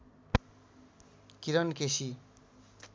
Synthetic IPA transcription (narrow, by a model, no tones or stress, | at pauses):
kiɾɔnkesi